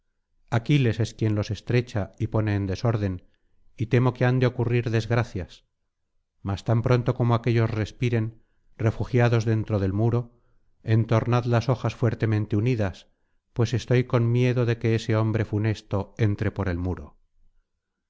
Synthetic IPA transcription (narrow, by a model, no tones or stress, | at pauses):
akile̞se̞skje̞nlo̞se̞st̪ɾe̞t͡ʃaipo̞ne̞ːnd̪e̞soɾðe̞n | it̪e̞mo̞ke̞and̪eo̞kuriɾðe̞zɣɾaθjas | mast̪ampɾo̞nt̪o̞ko̞moake̞ʎo̞sre̞spiɾe̞n | re̞fuxjaðo̞zðe̞nt̪ɾo̞ðe̞lmuɾo̞ | e̞nt̪o̞ɾnaðlaso̞xasfwe̞ɾt̪e̞mẽnt̪e̞uniðas | pwe̞se̞st̪o̞jko̞nmje̞ðo̞ðe̞ke̞eseo̞mbɾe̞fune̞st̪o̞e̞nt̪ɾe̞po̞ɾe̞lmuɾo̞̰